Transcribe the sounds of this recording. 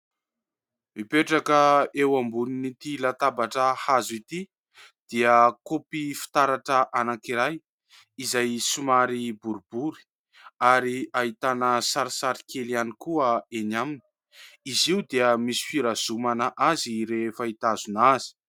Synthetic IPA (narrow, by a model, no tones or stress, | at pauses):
mipeʈ͡ʂakəewambuninit̪ilat̪abaʈ͡ʂəhazit̪i | d̪̥iəkopifi̥t̪aɾaʈ͡ʂəʔanakiɾaj | izajsumaɾibuɾubuɾi̥ | aɾiaɦit̪anəsaɾisaɾi̥kʰelianikuəenamini̥ | iziwd̪eəmisi̥fiɾazumanəʔaziɾefait̪azunazi̥